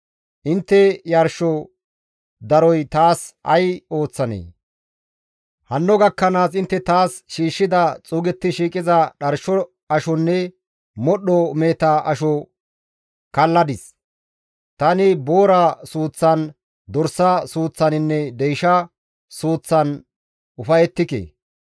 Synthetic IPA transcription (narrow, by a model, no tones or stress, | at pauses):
ʔɪnt̪ːɛjɐɾʃɔ | d̪ɐɾɔjt̪aːsɐ̰jo̞ːt͡sːɐnḛː | hɐnːɔɡɐkːɐnaːsɪnt̪ːɛt̪aːsʃiːʃːɪd̪ɐt͡sʼuːɡɛt̪ːɪʃiːkʼɪzɐɗɐɾʃɔ | ɐʃɔnːɛ | mɔɗɔmeːt̪aʔɐʃɔ | kɐlːɐd̪ɪs | t̪ɐnɪboːɾasuːt͡sːɐn | d̪ɔɾsɐsuːt͡sːɐnɪnːɛd̪ɛjʃɐ | suːt͡sːɐn | ʊfɐjɛt̪ːɪkḛː